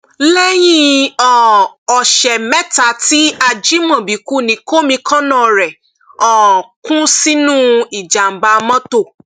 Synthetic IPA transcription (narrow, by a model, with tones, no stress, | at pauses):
lɛ˦j̃ĩ˦ɔ˨ɔ˨ʃɛ˨mɛ̃˦ta˧˨ti˦a˧d͡ʒi˦mɔ̃˨bi˨ku˦˨nĩ˨˦ko˦mĩ˧kã˦nã˦˨ɾɛ˨ | ɔ˨kũ˦si˦nũ˦i˨d͡ʒa˨m̩˨ba˧mɔ̃˦to˦˨